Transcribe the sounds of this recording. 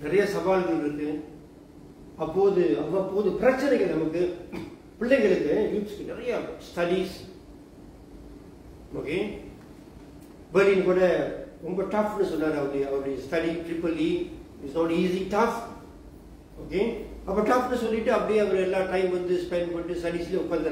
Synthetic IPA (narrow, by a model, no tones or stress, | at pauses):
nɪɾɐjasɐʋaːlɡɐɾɯkːɯ | ɐpːoːðɯɐpːɐpːoːðɯpɪɾɐt͡ʃːɐnɛɪɣɐɭnɐmɐkːɯ | pɪɭːɛɪɣɐɭɯkːɯjuːʈskɯnɪɾɐjasʈɐɽis | o̰ːke | bɛlinkoːɽɐɾɔmbɐʈɐfnɯsɔnːaːɾɐʋɐɽiɐʋɐɾɐɽjɐsʈɐɖiʈɾɪpɐli | ɪʈsnoːʈiːsiʈɐf | oːkeɐpːoːʈɐfnːɯsɔlːɪʈːɯɐpːɐɽɪjeɐʋɐɾɛlːãːʈɐɪmʋɐnd̪ɯspɛnɖpɐʈːɯsʈɐɽisɪliʊkːaːnd̪ɐɾ